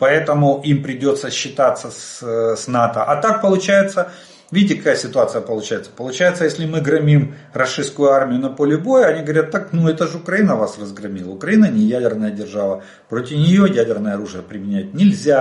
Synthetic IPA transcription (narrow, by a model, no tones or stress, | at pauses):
pɐɛt̪əmʊimpɾʲɪdʲo̞t̪səɕːɪt̪at̪sːəssʲnat̪əʔɐt̪ak̚pəlˠʊt͡ɕæjɪt̪sə | vʲitʲɪkɐkajəsʲɪt̪ʊat̪sɨjəpəlˠʊt͡ɕæjɪt̪sə̥pəlˠʊt͡ɕæjɪt̪səjesʲlʲɪmɨɡɾɐmʲim | rɐʂɨskʊjʊarmʲɪjʊnɐpo̞lʲɪbo̞jəɐnʲiɡəvɐɾʲat̪ːaknuɛt̪əʐɨʊkɾɐinəvasrəzɡrɐmʲilˠəʊkɾɐinənʲɪjædʲɪrnəjədʲɪrʐavə | pɾotʲɪfnʲɪjojædʲɪrnəjəɐɾuʐɨjəpɾʲɪmʲɪnʲæt̚ʲnʲɪlʲzʲa